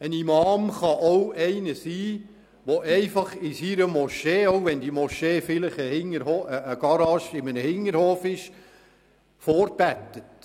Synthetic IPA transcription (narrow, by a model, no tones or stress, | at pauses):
ənimɑːmχɑʔowɛɪnəsiː | ʋoʔɛɪfɑχɪsiɾəmɔʃeːowʋɛndimɔʃeːfɪlɪχəhɪŋəɾhoːəːɡ̥ɑɾɑːʃɪmənəhɪŋəɾhoːfɪʃ | fɔːɾb̥æt̪ːət